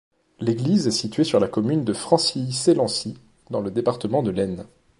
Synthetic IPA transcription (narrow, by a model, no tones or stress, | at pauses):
leɡlizɛsit̪ɥesyʁlakɔmynd̪əfχɑ̃siselɑ̃si | d̪ɑ̃ləd̪epaʁt̪əmɑ̃d̪əlɛn